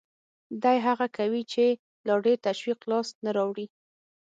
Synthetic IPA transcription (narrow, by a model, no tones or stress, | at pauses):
d̪ɑjɦaɣakawit͡ʃe | lɑɖeɾt̪aʃwiqlɑsnaɾɑwɽi